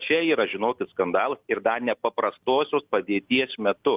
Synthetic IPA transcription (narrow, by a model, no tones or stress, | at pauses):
t͡ʃʲɛiːɾɐʒʲɪnoːkʲɪt̪skɐnd̪ɑːlˠɐsɪɾd̪ɐnʲɛpɐpɾɐst̪oːsʲoːspɐd̪ʲeːt̪ʲiɛsmʲɛt̪ʊ